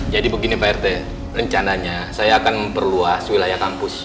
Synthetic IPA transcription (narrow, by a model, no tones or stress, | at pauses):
d͡ʒadibəɡinibaɛrt̪ɛ | rəɲt͡ʃanaɲasajaːkanməmpərluaswilajahkampʊs